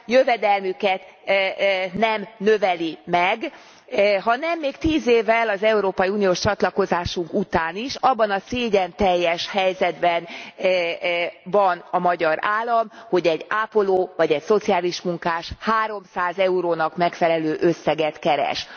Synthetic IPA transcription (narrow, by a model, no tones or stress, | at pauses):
jøvɛd̪ɛlmykɛt̪ | nɛmnøvɛlimɛɡ | ɦɒnɛmːeːkt̪iːzeːvːɛlɒzɛuɾoːpɒjiunijoːʃt͡ʃɒt̪lɒko̞zaːʃuŋkut̪aːniʃɒbːɒnɒseːɟɛnt̪ɛjːɛʃhɛjzɛd̪bɛn | vɒnɒmɒɟɒɾaːlːɒmho̞ɟɛɟːaːpo̞loːvɒɟɛcso̞t̪sijaːliʃmuŋkaːʃhaːɾo̞msaːzɛuɾoːnɒkmɛkfɛlɛløːʔø̞sːɛɡɛt̪kɛɾɛ̰ʃ